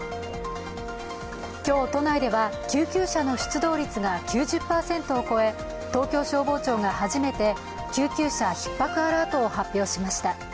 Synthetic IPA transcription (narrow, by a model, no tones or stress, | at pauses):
kʲo̞ːt̪o̞naid̪e̞βakʲɨːkʲɨːɕano̞ɕɨ̥t͡sɨd̪o̞ːɾʲit͡sɨɡakʲʰɨːʑɨpːaːsẽ̞nt̪oːko̞e̞ | t̪o̞ːkʲo̞ːɕo̞ːbo̞ːt͡ɕo̞ːŋahaʑime̞t̪e̞ | kʲɨːkʲɨːɕaçi̥pːakɯ̟aɾaːt̪o̞ːhapʲːjo̞ːɕimaɕi̥t̪a